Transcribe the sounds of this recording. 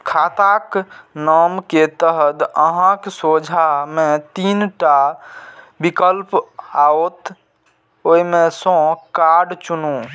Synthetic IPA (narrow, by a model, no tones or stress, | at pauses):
kʰat̪aknamket̪əɦəd̪əɦãksod͡ʒʱamẽt̪inʈa | bikəlpaot̪ | oimẽsɔ̃kaɾɖt͡ʃunũ